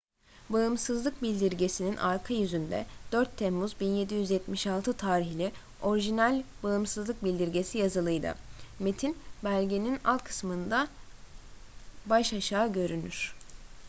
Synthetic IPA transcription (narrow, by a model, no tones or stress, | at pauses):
baɯmsɯzlˠɯk̚bilʲd̪iɾɟe̞sininʔaɾkʰajyzynd̪ɛ̰d̪̥øɾt̪ʰːɛmːuzbinje̞d̪ijyzjɛt̪miʃalˠt̪ʰɯt̪ʰaːɾiçlʲi | o̞ɾiʒinælʲbaɯmsɯzlˠɯk̚bilʲd̪iɾɟe̞sijazɯlˠɯjd̪ɯ̰met̪ʰinbælʲɟe̞nina̰lˠkʰɯ̥smɯnd̪a | baʃaʃaːɟø̞ɾynyɾ̥